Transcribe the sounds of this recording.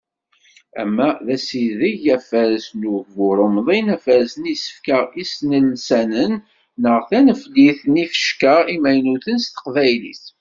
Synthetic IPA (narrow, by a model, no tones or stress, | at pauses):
æ̰mːæðæsiðiʝæfæɾsnuɡvʊɾˤəmðˤinæfæɾsənisə̥fkəisnəlsænənː | əʁθænəfliθənifə̥ʃkəimæjnuθənst̪ə̥qvæjlḭθ